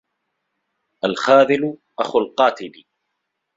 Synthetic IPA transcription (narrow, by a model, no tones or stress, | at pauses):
ʔalxaːðɪlʔa̰xʊlqɑːt̪ɪli